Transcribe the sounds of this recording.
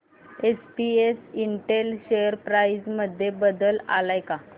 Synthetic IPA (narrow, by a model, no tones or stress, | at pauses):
espiesiɳʈelɕejəɾpɾaizməd̪ʱːjebəd̪əla̰lajka